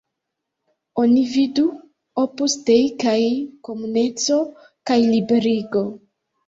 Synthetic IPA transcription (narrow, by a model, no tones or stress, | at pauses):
o̞nividu | opustejkajko̞munet͡so̞ | kajlibe̞ɾiɡo̞